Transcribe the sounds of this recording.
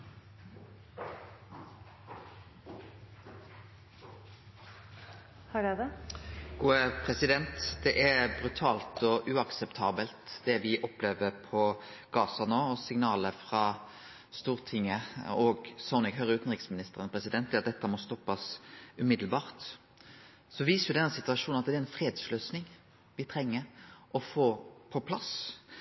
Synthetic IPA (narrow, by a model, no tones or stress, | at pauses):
hɑɖɛd̪ɛɡ̥uːəpʰʁɛsɪd̪ɛnt̪d̪̥ɛʔæbʁʉt̪ʰɑːlt̪ɔʔʉːɑksɛpt̪ʰɑːbəlt̪d̪̥ɛʋɪʔɔpleːʋəʁpʰɔ | ɡ̥ɑːsɑnoːɔsɪŋnɑːləfʁɑ | st̪uːʁt̪ʰɪŋːəɔɡsɔʊnɪɡɦœɾəʉːt̪n̩ʁɪksmɪnɪst̪əʁənpʰʁɛsɪd̪ɛnd̪ɛːɑt̪̚d̪ɛt̪ːəmɔst̪ɔpːɑsʉmɪd̪l̩bɑːʁt̪ | sɔʋiːsəʋɪd̪ɛnːəsɪt̪ʉɑʂuːnnɑt̪̚d̪ɛɾɛnfʁeːd̪sløːsnɪŋ | ʋɪt̪ʰɾɛŋːəɾʔɔfoːpʰɔpʰlɑs